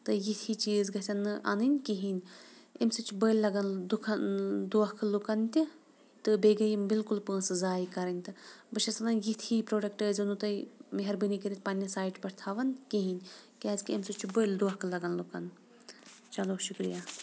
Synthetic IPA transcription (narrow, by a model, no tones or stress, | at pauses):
t̪ɨjit̪ʰit͡ʃiːzɡɐsʲɐnːɨʔa̰nɨnʲkiɦinʲemsɨt͡ʃʰubəjlʲːɐɡɐnd̪ukʰɐnd̪uɐkʰlukɐnt̪ʲi | t̪ɨbeːɡɐjimbɪlkulpəːsɨzaːjkɐɾɐnʲt̪ɨbɐʃɐsɐnɐnjit̪ʰiːpɾoːɖɐkʈəːzɐnut̪ɐjmeɦɐɾbɨnikiɾit̪̚ʰʲpɐnʲːɐsaːiʈpɐɾʰt̪ʰaːʋɐnkiɦinʲkeɐzkiemsɨt͡ʃʰubəld̪uɐkʰlɐɡɐnlukɐn | t͡ʃɐloʃukɾḭjaː